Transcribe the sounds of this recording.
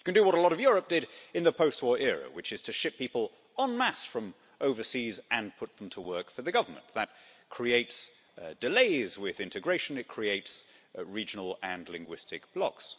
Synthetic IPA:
jɨkɨ̃ndɨwʌɾəlɒɾʌvjʊɹəp̚d̥ɪɾɨ̃nðəpʰoʊst̚wɔɹʔɛɹɨ̰wɨt͡ʃɨz̥tʰɨʃɪpʰipəlˠ | ə̃nmæsfɹʌ̃m | ʔoʊvə˞sizɨ̃npʰʊt̪̚ð̃m̩tʰəwɜ˞kfə˞ðɨɡʌvə˞mə̰̃nðət̚kʰɹ̥ieɪts | d̥ɨleɪzwɪðɪ̃ntɨɡɹeɪʃɨ̃nɨt̚kʰɹ̥ieɪtsɹid͡ʒɨnl̩ˠɨ̃nlɪ̃ŋɡwɪstɨk̚b̥lɑ̰ks

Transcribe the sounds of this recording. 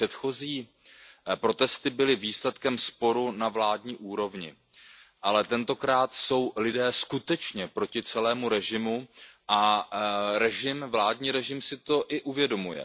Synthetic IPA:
ɛt̪xo̞ziː | pɾo̞t̪ɛst̪ɪbɪlɪviːslɛt̪kɛmspo̞ɾunavlaːdɲiːʔuːɾo̞vɲɪ̰ | ʔalɛt̪ɛnt̪o̞kɾaːt̪so̞wlɪdɛːskut̪ɛt͡ʃɲɛpɾo̞cɪt͡sɛlɛːmuɾɛʒɪmuʔa | ɾɛʒɪmvlaːdɲiːɾɛʒɪmsɪt̪o̞ʔɪʔuvjɛdo̞mujɛ̰

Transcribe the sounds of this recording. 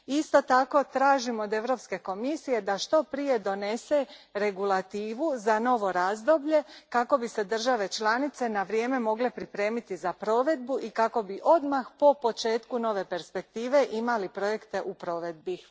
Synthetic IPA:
ist̪o̞t̪ako̞t̪ɾaːʒimod̪e̞ʋɾo̞pske̞ko̞misije̞d̪aʃt̪o̞pɾije̞d̪o̞ne̞se̞ɾe̞ɡulˠat̪iːʋuzano̞ʋo̞ɾaːzd̪o̞bʎe̞kako̞bise̞d̪r̩ʒaʋe̞t͡ʃlanit̪se̞naʋɾje̞me̞mo̞ɡle̞pɾipɾe̞ːmit̪izapɾo̞ʋe̞d̪̚buʔikako̞biʔo̞d̪maxpo̞po̞t͡ʃe̞ːt̪kuno̞ʋe̞pe̞ɾspe̞k̚t̪iːʋe̞ʔimalipɾo̞je̞kt̪e̞ʔupɾo̞ʋe̞d̪̚bi

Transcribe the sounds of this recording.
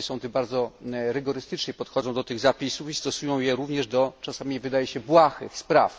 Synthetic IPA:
sɔ̃w̃t̪ɘbaɾd̪zɔɾɘɡɔɾɘst̪ɘt͡ʂɲɛpɔt̪xɔd̪zɔ̃w̃d̪ɔt̪ɘɣzapʲisufist̪ɔsujɔ̃w̃jɛɾuvɲɛʐd̪ɔt͡ʂasamʲivɘd̪ajɛɕɛbwaxɘ̰xspɾa̰f

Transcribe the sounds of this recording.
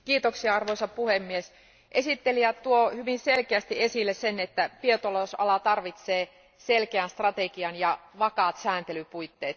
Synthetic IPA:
kiːt̪oksiɑɑrʋoisɑpuhemːies | ʔesit̪ːeliætt̪uohyʋinselkeæst̪iesilːessenet̪ːæpiet̪olosɑ̰lɑt̪ɑrʋit̪seː | selkeænst̪rɑt̪ekiɑnjɑʋɑkɑːt̪sæːnt̪elypuit̪ːeːt̪

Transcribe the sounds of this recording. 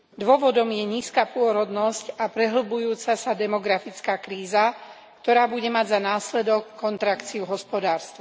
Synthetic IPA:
d̪ʋɔʋɔd̪ɔmjɛɲiːskaːpʊɔɾɔd̪nɔscapɾɛɦl̩bujuːt͡sasad̪ɛmɔɡɾafit͡skaːkɾiːza | kt̪ɔɾaːbuɟɛmaɟzanaːslɛd̪ɔkːɔnt̪ɾakt͡siuɦɔspɔd̪aːɾst̪ʋa

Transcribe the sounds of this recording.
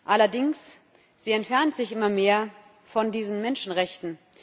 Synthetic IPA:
ʔalɐdɪŋs | z̥iːɛntfɛɐntz̥ɪçʔɪmɐmeːɐ | fɔndiːzn̩mɛnʃn̩ʁɛçtn̩

